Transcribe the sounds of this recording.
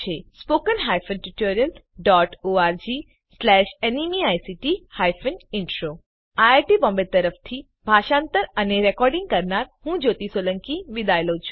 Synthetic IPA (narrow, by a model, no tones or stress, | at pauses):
t͡ʃʰespoːkənɦaːjfʰənʈuʈoːɾijəl | ɖɔːʈoːaːɾd͡ʒiː | slɛːʃenimiaːjsiʈihaːjfʰənɪɳʈɾoː | aaɾʈibɔ̃mbeɾt̪ːəɾəfʰt̪ʰi | bʱaːʃãːnt̪əɾəneɾekɔːɾɖɪ̃ŋɡ̚kɐɾnaɾhũːd͡ʒoːt̪isoːlə̃ŋkiʋid̪aːjlot͡ʃʰu̥